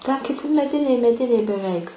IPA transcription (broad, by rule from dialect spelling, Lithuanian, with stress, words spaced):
tʲæː kʲɪˈtʲɪ mʲɛˈdʲɪnʲɛɪ mʲɛˈdʲɪnʲɛɪ bʲɛˈʋʲɛɪk